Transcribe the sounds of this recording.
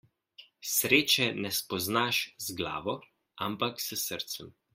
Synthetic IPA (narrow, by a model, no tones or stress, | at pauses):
sɾeːt͡ʃɛnɛspɔznaʃzɡla̰ːʋɔ | ampaksəsəɾt̪səm